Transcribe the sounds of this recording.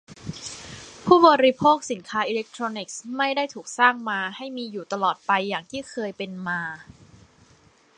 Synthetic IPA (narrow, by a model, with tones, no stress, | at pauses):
pʰuː˥˩bɔː˧ɾi˧pʰoː˥˩k̚si˨˩˦nkʰaː˦˥ʔiː˧le˦˥k̚t̪ʰɾoː˧ni˨˩k̚sma˥˩jdaː˥˩jt̪ʰuː˨˩k̚saː˥˩ŋmaː˧ha˥˩jmiː˧juː˨˩t̪a˧lɔː˨˩t̪̚pa˧jːaː˨˩ŋt̪ʰiː˥˩kʰɤː˧jpe˧nmaː˧